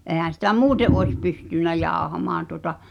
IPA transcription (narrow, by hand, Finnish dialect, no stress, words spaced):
ʔeˑhæn̞ sitæ muːteʔ ʔoes pystynˑæ jɑˑohɑmɑːn tuŏtɑ